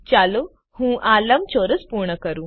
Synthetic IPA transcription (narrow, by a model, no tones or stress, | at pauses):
t͡ɕalo | hũːʔaləmt͡ɕoɾəspuɾɳəkəɾũː